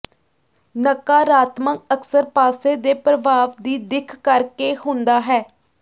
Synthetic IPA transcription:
nəkaːɾaːt̪mək̚əksəɾpaːseːd̪eːpɾəbaːʋd̪iːd̪ɪkʰːəɾkeːhʊnd̪aːɦɛː

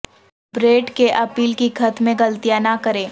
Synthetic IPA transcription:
bɾeːʈkeʔɐpiːlkikʰɐt̪mẽɡɐlt̪ijanakɐɾẽː

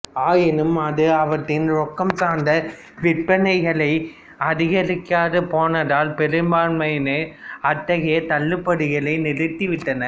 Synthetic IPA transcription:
aːjɪnɯmɐðɯɐʋɐʈːɪnɾɔkːɐmsaːnd̪ɐ | ʋɪʈpɐnɐɪɣɐɭɐɪ | ɐðɪɣɐɾɯkːaːðɯpoːnɐðaːlpɛɾɯmbaːɳmɐjneɐt̪ːɐɣeɐt̪ɐɭːɯpːɐɽɯɣɐɭɐɪnɪɾɯt̪ːiʋɪʈːɐnɐ

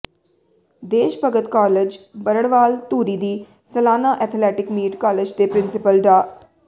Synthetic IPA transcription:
d̪eːʃpəɡət̪kɔːled͡ʒbəɾəɽʋaːlt̪uːɾiːd̪iː | səlaːnaːʔɛt̪ʰlɛːʈɪkmiːʈkaːled͡ʒd̪eːpɾɪnsɪpəlɖaː

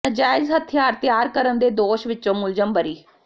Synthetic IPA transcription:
əd͡ʒaːɪzɦət̪ʰɪjaːɾt̪ɪjaːɾkəɾənd̪eːd̪oːʃʋɪt͡ʃːõːmʊld͡ʒəmbəɾiː

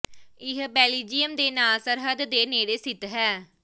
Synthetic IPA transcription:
ɪɦbɛːliːd͡ʒijəmd̪eːnaːlsəɾɦəd̪ːeːneːɽeːsɪt̪ɦɛː

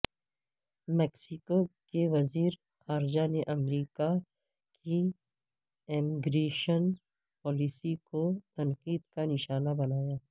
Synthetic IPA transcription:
mɛːksɪkokeʋɐziːɾ | xaːɾd͡ʒaneʔɐmɾiːka | ki | emiɡɾeːʃən | pɔːlisikot̪ɐnqiːd̪kanɪʃaːnabɐnaːjaː

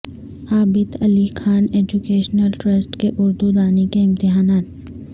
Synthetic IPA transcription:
aːbɪd̪ɐlikʰaːneːd͡ʒukeːʃnəlʈɾɐsʈkeʔʊɾd̪ud̪aːnekeɪ̃mt̪ɪɦaːnaːt̪̚

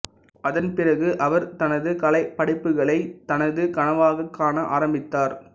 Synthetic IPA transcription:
ʔɐðɐnpɪrɐɣɯʔɐʋɐɾt̪ɐnɐðɯkɐɭɐɪpːɐɽɪpːɯɣɐɭɐɪt̪ɐnɐðɯkɐnɐʋaːɣɐkːaːnɐʔa̰ːɾɐmbɪt̪ːaːɾ

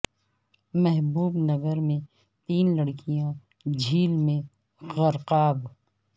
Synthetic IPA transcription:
mɛɦbuːbnɐɡəɾmẽ | t̪iːnlɐɽkijã | d͡ʒʱiːlmẽ | ɣɐɾqaːb

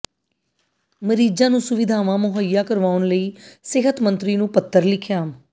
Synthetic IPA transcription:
məɾiːd͡ʒãːnũːsʊʋɪd̪ʱaːʋãːmʊɦəjːaːkəɾʋaːʊnləiːsɪɦət̪mə̃nt̪ɾiːnũːpət̪ːəɾlɪkʰjaːm

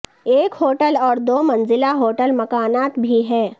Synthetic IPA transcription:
eːkɦoːʈəlɔːɾd̪oːmɐ̃nzɪlaɦoːʈəlmɐkaːnaːt̪bʱiɦɛː

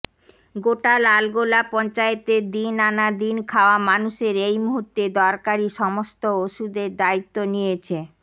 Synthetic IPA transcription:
ɡoʈalalɡolapɔnt͡ɕaet̪ed̪inanad̪inkʰaoamanuʃeɾejmuɦuɾt̪ːed̪ɔɾkaɾiʃɔmost̪ooʃud̪eɾd̪ait̪ːonijet͡ɕʰe

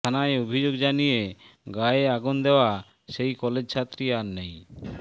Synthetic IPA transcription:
t̪ʰanaeobʱid͡ʑoɡd͡ʑanijeɡaeaɡund̪eoa | ʃejkɔled͡ʑt͡ɕʰat̪ːɾiaɾnej

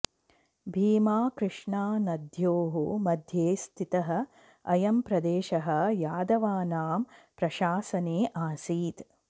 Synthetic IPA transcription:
bʱiːmaːkɾɨʂɳaːnɐd̪ʱjoːɦumɐd̪ʱjeːst̪ʰit̪ɐɦɐ̆ | ɐjɐmpɾɐd̪eːʃɐɦɐ̆jaːd̪ɐʋaːnaːmpɾɐʃaːsɐneːʔaːsiːt̪

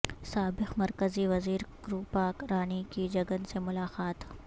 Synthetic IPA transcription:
saːbɪxmɐɾkəziʋɐziːɾkɾuːpaːkɾaːnikid͡ʒɐɡənsemʊlaːqaːt̪

